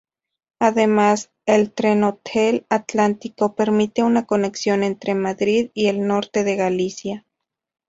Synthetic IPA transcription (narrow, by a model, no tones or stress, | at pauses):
aðemas | elt̪ɾenot̪ʰelat̪lant̪ikopeɾmit̪eunakoneksjonent̪ɾʔemaðɾiðielnoɾt̪eðeɣalisja